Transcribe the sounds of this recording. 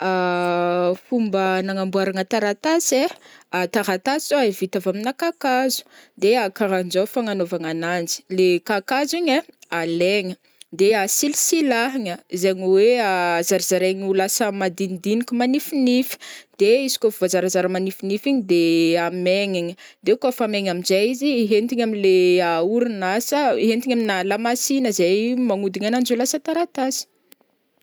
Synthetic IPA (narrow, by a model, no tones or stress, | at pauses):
a | fumbənaŋambuaɾaŋət̪aɾat̪aseat̪aɾat̪asoavit̪avaminakakazu̥d̪eakaɾand͡ʒafaŋanovaŋanand͡ʒi̥lekakaziɲealeŋə | d̪easilisilaɦiɲəzeɲiweaazaɾizaɾeɲulasəmad̪inid̪inikʲumanifinifi̥d̪̥eizi̥kʲofuvazaɾazaɾəmanifinifiɲid̪eameŋiɲə | d̪ekafameɲaminzajiziɦent̪iɲamileauɾunasəiɦent̪iɲaminalamasinəzajmaŋud̪iɲanand͡ʒulasət̪aɾat̪azi̥